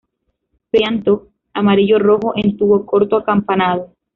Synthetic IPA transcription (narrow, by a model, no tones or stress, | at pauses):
pjant̪o | amaɾiʝo̞ro̞xo̞ʔe̞nt̪uβo̞ko̞ɾt̪oakampanaðo